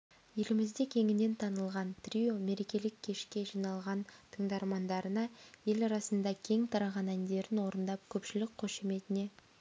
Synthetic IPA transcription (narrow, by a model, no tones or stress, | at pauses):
je̞lɪmɪzd̪ekʲʰe̞ŋɪne̞nt̪ʰɑnəlˠʁɑnt̪rʲijo̞me̞ɾe̞kʲe̞lɪkʲʰːe̞ʃkʲe̞ʒijnɑlˠʁɑnt̪ʰəɴd̪ɑɾmɑnd̪ɑɾənɑje̞lɑɾɑsənd̪ɑkʲʰe̞ŋt̪ʰɑɾɑʁɑnænd̪e̞ɾɪnwo̞ɾənd̪ɑp̚kʲʰɵpʃɪlɪkʲkʰːɵʃe̞me̞t̪ɪne̞